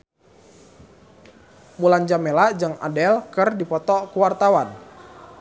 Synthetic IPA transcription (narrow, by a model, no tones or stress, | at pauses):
muland͡ʒamelad͡ʒɨŋa̰dɛlkɨrdipɔt̪ɔkuwart̪awan